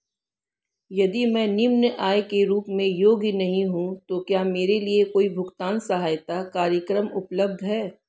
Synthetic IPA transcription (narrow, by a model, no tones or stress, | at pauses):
jɐd̪imɛ̃ːnɪmnəʔaːekeɾuːpmẽjoːɡnɐɦĩɦũt̪okjaːmeːɾeliekoːibʱʊkt̪aːnsɐɦaːjt̪akaːɾjəkɾəmʊpləb̚d̪ʱɦɛː